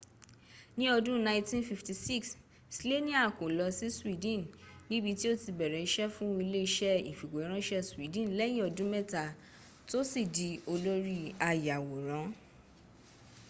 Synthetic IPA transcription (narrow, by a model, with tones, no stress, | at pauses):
nĩ˦ɔ˧dũ˦nã˧tĩ˦nfi˧fti˧si˦˨ks | i˨si˦le˦nĩ˦a˦˨ko˨lɔ˧si˦swi˦dĩ˦˨nnĩ˦bi˧ti˦o˦ti˧bɛ˨ɾɛ˨i˦ʃɛ˦fũ˦˧i˧le˦i˧ʃɛ˦i˨fi˨ɡ͡be˨i˦ɾ̃ã˦ʃɛ˦swi˨˦dĩ˦˨n˨lɛ˦j̃ĩ˦ɔ˧dũ˦mɛ˦ta˨ | to˦si˦˨di˨˧o˧lo˦ɾi˦a˧ja˨wo˨ɾ̃ã˨˦